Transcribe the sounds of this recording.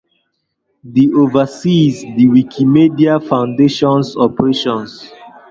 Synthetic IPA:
diovasizdiwikʰimediafãʊ̃ndeʃɔ̃nsɔpəɹeʃɔ̃ns

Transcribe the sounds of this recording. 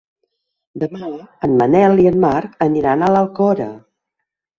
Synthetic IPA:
d̪əmaənmənɛlˠiənmaɾkəniɾanələlˠkɔɾə̰

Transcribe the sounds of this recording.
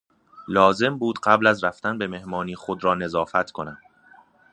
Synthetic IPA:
lɒːze̞mbuːd̪̥ɢæblæzræft̪ænbe̞me̞hmɒːniːxod̪ɾɒːne̞zɒːfæt̪ʰkʰo̞næmd̪̥

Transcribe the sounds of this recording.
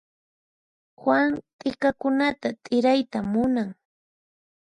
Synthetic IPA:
xwaŋt̪ʼɪkakʊnat̪at̪ʼɪɾajt̪amʊnaŋ

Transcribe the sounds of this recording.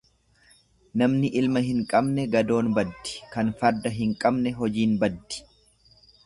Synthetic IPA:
nɐmnɪʔɪlmɐɦɪŋkʼɐbnɛɡɐd̪o̞ːnbɐd̪ːɪ̥kɐnfɐɾd̪ɐɦɪŋkʼɐbnɛɦɔd͡ʒiːnbɐd̪ːɪ̥

